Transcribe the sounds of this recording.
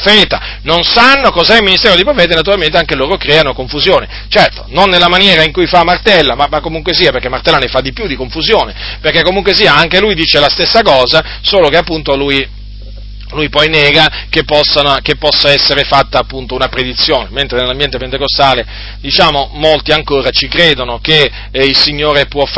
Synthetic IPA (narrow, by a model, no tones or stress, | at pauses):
feːt̪a | nonsanːokɔzɛilminist̪eːɾod̪eipɾofeːt̪enat̪̬uɾalment̪eaŋkeloːɾokɾɛːanokoɱfuzjoːne | t͡ʃɛrt̪o̥nonːelːamanjɛːɾaiŋkujfamːart̪ɛlːamamakːomuŋkwesiːaperkːɛmːart̪ɛlːanefad̪ːipjud̪ikoɱfuzjoːneperkɛkːomuŋk̬wesiːaaŋkelujd̪iːt͡ʃelast̪esːakɔːza | soːlokeapːunt̪oluj | lujpɔjneːɡakepːɔsːanokepːɔsːaɛsːeɾefat̪ːaːpːunt̪ounapɾed̪it̪sːjoːnement̪ɾenelambjɛnt̪epent̪ekost̪aːle | d̪it͡ʃaːmomolt̪iaŋkoːɾat͡ʃikɾeːd̪onoke | ilsiɲːoːɾepwɔf